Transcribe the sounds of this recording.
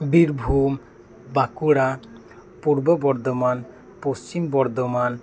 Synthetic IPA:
biɾbʱum | bakuɽa | puɾbɔbɔɾd̪ɔman | post͡ʃimbɔɾd̪ɔman

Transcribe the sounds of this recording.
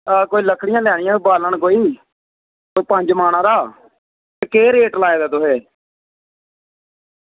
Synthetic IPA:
koːiːləkʰɽɪjãːlɛːɽɪjãːbaːləɳkoːiː | t̪oːpə̃ɲd͡ʒmaːɽ̃ãːɾaː | keːɾeːʈlaːeːd̪aːt̪ʊɦeː

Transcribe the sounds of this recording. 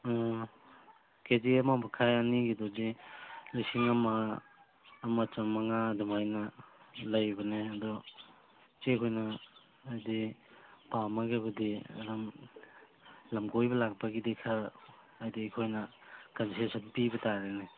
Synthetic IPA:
ked͡ʒiemamɐkʰajaniɡidɔdilisiŋɐmaː | mɐt͡ʃamɐŋadumajnɐlɐjbɐneɐdɔ | t͡ʃekʰojnɐː | jdipamaɡebɐdiɐ̰ɾɐm | lɐmɡojbɐlak̚pɐɡidekʰaː | jdiːkʰojnɐkɐnsesɐnpibɐtaɾene

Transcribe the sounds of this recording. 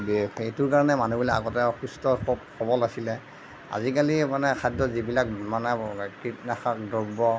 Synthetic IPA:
betuɹkaɹɔnɛmanubulɛaɡɔtɛxustɔkɔbkʰɔbɔlasilɛ | a̰zikalimanɛkʰadɔzibilak̚manɛkitnaxak̚dɔɹbɔ

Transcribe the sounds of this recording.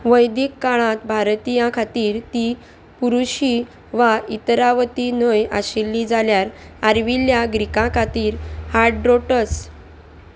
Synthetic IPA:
ʋəjd̪ikːaɭãt̪bʱaɾt̪ijãkʰat̪iːɾt̪i | puɾuɕi | ʋait̪ɾaʋət̪inəja̰ɕilːiːd͡zaljaɾaɾʋiljaɡɾikãkʰat̪iːɾhaɾɖɾoʈət͡s

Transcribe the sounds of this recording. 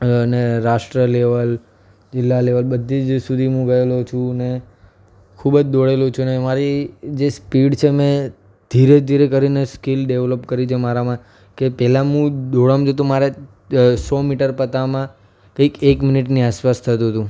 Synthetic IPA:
neɾaʃʈɾəleʋəl | d͡ʒɪlːaleʋəlbəd̪ʱːid͡ʒsud̪ʱimũɡaelot͡ʃʰũne | kʰubəd͡ʒd̪oɽelot͡ʃʰunemaɾid͡ʒespiɖt͡ʃʰemẽ | d̪ʱiɾed̪ʱiɾekəɾineskilɖeʋləpkəɾit͡ʃʰemaɾamã | kepɛlãɦũd̪oɭamd͡ʒot̪ũmaɾe | sɔmiʈəɾpət̪amã | kəikekmɪniʈniaspast̪ʰət̪̬ũɦət̪ũ

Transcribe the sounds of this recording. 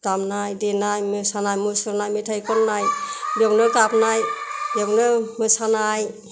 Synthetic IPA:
tamnajdenajmɯsanajmɯsɔɾnajmetʰajkɔnːajdɔknɯɡapnajjɔknɯmɯsanaj

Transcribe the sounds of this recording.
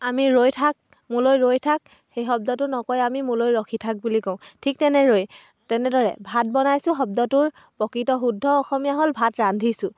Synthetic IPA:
amiɹojtʰak̚ | mulojɹojtʰak̚ | xejxɔb̚dɔtʊnɔkɔjamimulojɹɔxʰitʰak̚bulikɔ̃ʊ̃tʰik̚tɛnɛɹoj | tɛnɛdɔɹɛ̰bʱat̚bɔnajsʊ̃xɔb̚dɔtʊɹ | pɔkɹitɔxudʱːɔːxɔmijaɦolbʱatɹandʱisʊ

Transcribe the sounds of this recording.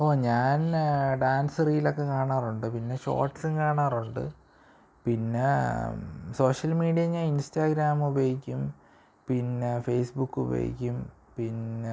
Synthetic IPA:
oːɲaːnɖaːnsriːjilo̞kːe̞kaːɳaːruɳɖɨpinːe̞ɕo̰ːrʈːsɨnkaːɳaːruɳɖɨ̰ | pinːe̞ | so̞ːʂɐlmiːɽijɐɲaːninstaːɡɾaːmubejikʲːum | pinːefe̞ːsbukːṵbḛjḭkʲːum | pinːe

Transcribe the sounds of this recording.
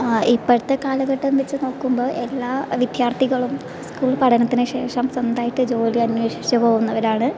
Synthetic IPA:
ipːɐɻut̪ːekaːlɐɣɐʈːɐmʋɐt͡ɕːɨno̞ɭkːumbo̞ːʔe̞lːaːʋid̪jaːrt̪ʰiɣɐɭum | skuːɭpɐʈʰɐnɐt̪ːinɨɕe̞ːʂɐmsɐnd̪aːjiʈːɨd͡ʑo̞ːliɐnweːʂit͡ɕːɐpo̞ːɣunːɐʋɐɾaːɳɨ

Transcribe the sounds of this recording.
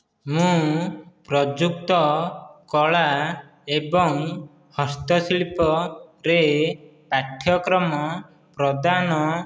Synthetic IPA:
mũpɾɔd͡ʒuk̚t̪ɔkɔɭa | ebɔŋ | hɔst̪ɔsiɭipɔɾepaʈʰːjɔkɾɔmɔ | pɾɔd̪anɔ

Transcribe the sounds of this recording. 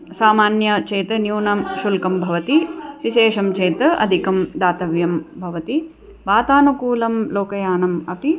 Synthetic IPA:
saːmaːnjɐt͡ʃeːt̪ɐnjuːnɐmʃulkɐmbʱɐʋɐt̪iʋiʃeːʂɐmt͡ʃeːt̪ɐɐ̰d̪ʱikɐmd̪aːt̪ɐʋjɐmbʱɐʋɐt̪i | ʋaːt̪aːnukuːlɐmloːkɐjaːnɐmɐpi

